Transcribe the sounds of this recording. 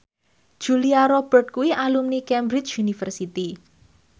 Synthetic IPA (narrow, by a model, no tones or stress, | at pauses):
ʒ̥uliaɾɔb̥ərt̪̚kuwiʔalumnikɛmbɾit͡ʃunifərsit̪i